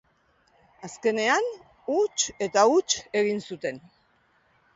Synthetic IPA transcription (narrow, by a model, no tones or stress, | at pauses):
aske̞ne̞an | ut͡ʃe̞t̪aut͡ʃe̞ɣinsut̪e̞n